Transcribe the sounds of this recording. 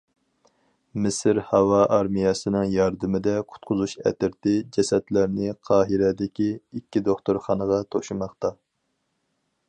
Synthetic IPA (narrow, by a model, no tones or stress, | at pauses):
mɪsɪɾhɑwɑʔɑɾmijɑsɨnɨŋjɑɾd̪ɨmɪd̪ɛqʰʊ̥t̪̚qʰʊzuʃɛ̰t̪ɪɾt̪ɪd͡ʒɛsɛt̪læɾnɪqʰɑːɦɪɾɛd̪ɪkʲiikʲːid̪oχt̪uɾχɑnəʁɑt̪ʰoʃumɑχt̪ɑ